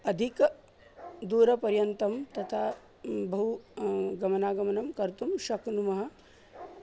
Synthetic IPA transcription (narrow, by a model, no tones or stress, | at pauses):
ɐd̪ʱik | d̪uːɾɐpɐɾjɐnt̪ɐmt̪ɐt̪ʰaː | bɐɦuɡɐmɐnaːɡɐmɐnɐmkɐɾt̪umʃɐknumɐɦɐ̆